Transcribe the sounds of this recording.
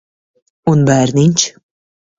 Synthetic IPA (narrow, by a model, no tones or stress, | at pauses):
unbæɾnʲinʲt͡ɕ